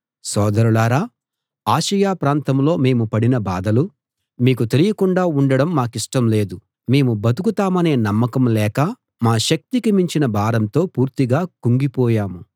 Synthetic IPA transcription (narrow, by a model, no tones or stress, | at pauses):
sɔːd̪ɐɾulaːɾaː | aːʃɐjaːpɾaːnt̪ɐmlo̞ːme̞ːmupɐɽinɐbaːd̪ɐlu | miːkut̪e̞lijɐkuɳɖaːuɳɖɐɽɐmːaːkiʂʈɐmle̞ːd̪u | me̞ːmubɐt̪ukut̪aːmɐne̞ːnɐmːɐkɐmlɛːkɐ | maːʃɐk̚t̪ikimiɲt͡ʃinɐbʱaːɾɐnt̪o̞ːpuːɾt̪iɡaːkuŋɡipɔːjaːmu